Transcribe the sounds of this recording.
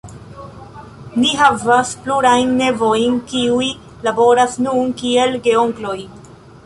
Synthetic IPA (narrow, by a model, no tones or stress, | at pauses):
niɦavaspluɾajnːe̞vo̞jnkiuj | labo̞ɾasnunkie̞lɡe̞o̞ŋklo̞j